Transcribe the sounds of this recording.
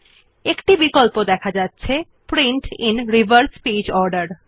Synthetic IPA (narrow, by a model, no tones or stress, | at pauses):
ekʈibikolpod̪ɛkʰad͡ʑatːɕʰe | pɾiɳʈḭnɾibəɾspid͡ʑɔɾɖaɾ